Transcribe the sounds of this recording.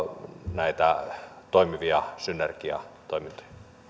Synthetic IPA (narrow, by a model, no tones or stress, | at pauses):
næit̪æt̪oˑimiʋiɑsynːerkiɑ̰t̪oˑimint̪o̥jɑ̥